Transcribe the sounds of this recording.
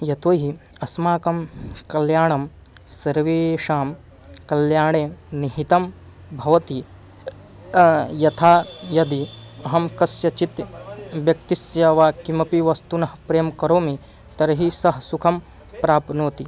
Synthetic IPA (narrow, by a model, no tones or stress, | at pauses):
jɐt̪oːɦiɐsmaːkɐmkɐljaːɳɐm | sɐɾʋeːʂaːm | kɐljaːɳeːniɦit̪ɐm | bʱɐʋɐt̪i | jɐt̪ʰaːjɐd̪iɐɦɐmkɐsjɐt͡ʃit̪ʋjɐkt̪isjɐʋaːkimɐpiʋɐst̪unɐɦɐpɾejɐmkɐɾoːmi | t̪ɐɾɐɦisɐɦɐsukʰɐm | pɾaːpnoːt̪i